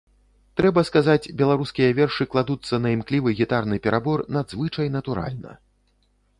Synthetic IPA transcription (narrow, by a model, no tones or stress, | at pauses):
t̪ɾɛbɐskazat͡sʲbʲɛlˠaɾuskʲijɐvʲɛrʂɨklˠad̪ut̪sːɐnɐimklʲivɨɣʲit̪arnɨpʲɛɾabɔrnad̪zvɨt͡ʂɐjnɐt̪uɾa̰lʲnɐ̰